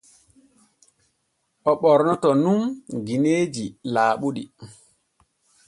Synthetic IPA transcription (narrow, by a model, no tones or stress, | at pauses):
ʔɔɓɔɾnɔtɔnumɡineːd͡ʒilaːɓuɗi